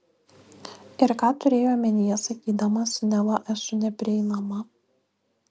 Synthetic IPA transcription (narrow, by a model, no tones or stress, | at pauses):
ɪɾkɑːt̪ʊɾʲeːjoːɐmʲɛnʲɪjɛsɐkʲiːd̪ɐmɐsnʲɛlˠɐʔɛsʊnʲɛpʲɾʲɪɛɪnɐmɐ